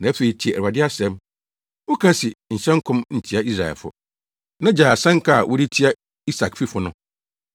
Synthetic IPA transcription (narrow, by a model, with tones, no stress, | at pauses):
nã˨˦æ˦fe˨i˨tʰi˨æ˨a˨dɪ˦a˦sɛ̃˦m | wo˦kʰã˦sɪ˨n̩˨ɕɛ̃˦ŋ˦kʰʊ̃˦mn̩˨tʰi˦a˦i˦s̬ɾa˨ɛ̰˨lfʊ̰˨ | nã˦d͡ʑaː˨a˨sɛ̃˦ŋ˦kʰa˦˨a˨wʔʊ˦ɾi˦tʰi˦a˦ | i˦sa˨kfi˦fʊ˨nʊ̃˦